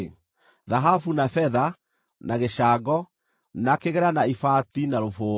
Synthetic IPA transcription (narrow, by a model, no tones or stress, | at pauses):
ðaɦafunafɛða | nʔaɣeʃaɡɔ | nakeɣɛɾanaifatinaɾofoː